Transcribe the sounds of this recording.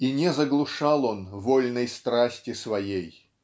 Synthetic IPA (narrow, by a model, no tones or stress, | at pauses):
inʲɛzəɡlˠʊʂɑlˠonvolʲnəjst̪ɾasʲtʲɪsvɐjej